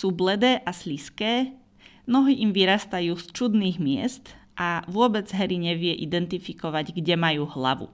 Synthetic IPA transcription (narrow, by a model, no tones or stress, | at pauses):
suːblɛd̪ɛːʔasliskɛː | mnɔɦiːʔimʋiɾast̪ajuːst͡ʃud̪niːɣmɪɛ̰st̪ | ʔaʋʊɔbɛd͡zɦɛɾiɲɛʋɪɛʔid̪ɛnt̪ifikɔʋaɟɡɟɛmajuːɦla̰ʋṵ